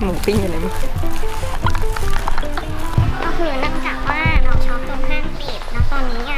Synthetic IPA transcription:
mu˨˩˦pi˥˩ŋa˧na˧˦m˦˥˧ | kɔː˥˩kʰɯː˧nɯ˥˩˨ŋt͡ɕaː˨˩k̚waː˥˩ɾa˧wt͡ɕʰɔː˦˥˩p̚t̪u˧əŋkʰaː˥˩ŋpiː˨˩t̪̚na˦˥w̚t̪ɔː˧nːiː˦˥ka˧˥˩

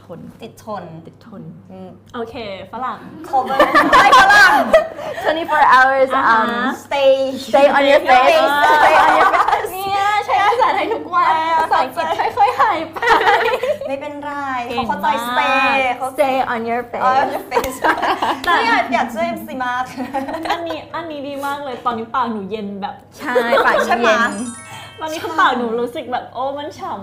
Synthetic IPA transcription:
o˧˩nt̪i˨˩t̪ʰːo˧˩ni˨˩t̪ʰːo˧˩n̩˧˩ʔoː˧kʰeː˧fa˧˥la˨˩ŋkʰɔ˧˩a˥˩ja˧˥la˨˩ŋt̪ʰwɛ̃˧˦nti˧fɔː˧ɹʔa˧wə˞˧sa˧mst̪e˧st̪eː˧ɔ˨njɔ˨˧fe˧sst̪e˧ɔ˧njɔ˧ni˥˩ɐt͡ɕʰa˦˥˦a˧˩saː˨˩˦n̚ha˧˩jt̪ʰu˦˥k̚wa˧˥sa˨˩ŋʰ˧˩˧a˧˥jkʰɔ˧˥jɦa˨˩jpa˨˧ | ma˥˩jpe˧nɾaː˥˩jʰkʰa˦˥t̪aː˧jst̪e˧kʰa˦wste˧ʔɔ˧njɔ˧fḛː˦˨jɔ˨˧fe˦ | t̪a˧˨˩i˦˥˨jaː˨˩k̚teː˧˥˩msi˨˦ma˧˥pʔnːi˦˥ʔa˧˩nːiː˨˦˥diː˧maː˥˩k̚lɤː˧jt̪ɔː˧nːiː˨˦˥paː˨˩k̚nuː˨˩˦je˧nbɛː˨˩p̚t͡ɕʰa˥˩jaː˨˩a˥˧˦je˧n˧ | wa˧ni˦˥kʰpaː˨˩k̚nuː˩˦ɾuː˨˦˥sɯ˨˩k̚bɛː˨˩p̚ʔoː˧˥ma˦˥˨nt͡ɕʰa˨˦m

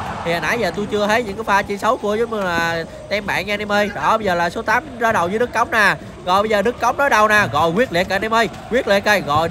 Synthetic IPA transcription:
t̪ʰi˨˩haː˨˩nʔa˧˨˩jzəː˨˩t̪u˧t͡ɕɨ˧ət̪ʰə˨˦˥jɲɨ̰˧˥ŋkaː˨˦jfaː˧t͡ɕi˧sə˨˦wku˧əzmɨ˧laː˨˩ | t̪ɛ˧mɓa̰ː˧˨nɲaː˧nɛ˧mʔə˧jɗɔ˧˨˩ɓə˧jzəː˨˩laː˨˩so˨˦t̪aː˨˦mzaː˨˦ɗə˨˩wzɨː˨˦ɗɨ˦˥kːə˨˦wŋ͡mnaː˨˩ | ɣɔ̰˧˨jɓə˧zəː˨˩ɗɨ˦˥kːa˨˦wŋ͡mnɔ˨˦jɗa˧˩wnaː˨˩ɣɔ̰˧˨jkwi˦˥ət̚li˨k̚ːaː˨˩nɛ˧mʔə˧j | kwi˦˥ət̚lḭ˧˨k̚ːə˧˩jɣɔ̰˧˨j

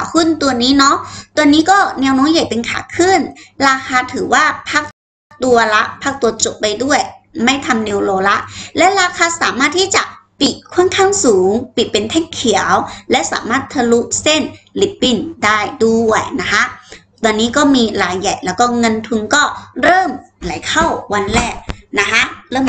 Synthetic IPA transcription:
a˨˦kʰɯ˥˩˨nt̪u˧ɐniː˦˥nɔ˦˥t̪u˧əniː˦˥kɔː˥˩nɛː˧wnɔː˦˥nja˨˩jpe˧nkʰa̰ː˨˩˦kʰɯ˥˩˨nɾaː˧xʰaː˧t̪ʰɯː˩˦waː˥˩pʰa˦˥˩k̚ | k̚t̪u˧ɐla˦˥ʔpʰaː˦˥˩k̚t̪u˧ɐt͡ɕo˨˩p̚pa˧jdu˥˩əjma˥˩jt̪ʰa˧mne˧wloː˧la˦˥ʔlɛ˦˥ʔɾaː˧kʰaː˧sa̰ː˨˦maː˥˩t̪ʰːiː˥˩t͡ɕa˨˩ʔpi˨˩t̪̚kʰːu˦˥˩ə˨nkʰaː˥˩ŋsuː˩˦ŋpi˨˩t̪̚pe˧nt̪ʰɛː˥˩ŋkʰi˩˦əwlɛ˦˥sa̰ː˩˦maː˥˩t̪ʰːa˧lu˦˥ʔse˥˩nli˨˦˥pːi˧˩ndaː˥˩jduː˧wa˥˩jna˦˥kʰa˦˥ʔ | t̪ɔː˧nːiː˦˥kɔː˥˩miː˧laː˨˦jːa˨˩jlɛː˦˥wkɔː˥˩ŋɤ˧nt̪ʰu˧nkɔː˥˩ɾɤː˥˩m | la˩˦jkʰa˥˩wwa˧nlɛː˥˩k̚na˦˥kʰa˦˥ʔɾɤː˥˩˨m

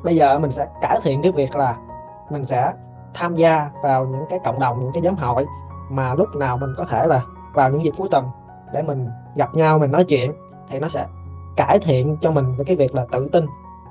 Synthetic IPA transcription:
ɓə˧jzəː˨˩mï˨˩ŋ̟sɛ̰˧˥kaː˧˩jt̪ʰḭ˧˨ənkaː˨˦jvi˨˩ək̚laː˨˩ | mï˨˩ŋ̟sɛ̰˧˥ | t̪ʰaː˧mzaː˧vaː˨˩wɲɨ̰˧˥ŋkaː˨˦jkə̰˧˨wŋ͡mɗə˨˩wŋ͡mɲɨ̰˧˥ŋkaː˨˦jzaː˨˦mɦə̰˧˨jmaː˨˩lʊ˦˥k͡p̚naː˨˩wmï˨˩ŋ̟kɔ˨˦t̪ʰe˧˩laː˨˩ | vaː˨˩wɲɨ̰˧˥ŋzi˨˩p̚fu˨˦jt̪ə˨˩m | ɗe˧˩mï˨˩ŋ̟ | ɣa˨˩p̚ɲa˧wmi̟˨˩nɔ˨˦jt͡ɕwḭ˧˨ən | t̪ʰi˨˩nɔ˨˦sɛ̰˧˥kaː˧˩jt̪ʰḭ˧˨ənt͡ɕɔ˧mi˨˩ŋ̟vəː˨˦kaː˨˦jvi˨˩ək̚laː˨˩t̪ɨ̰˧˨t̪i˧n

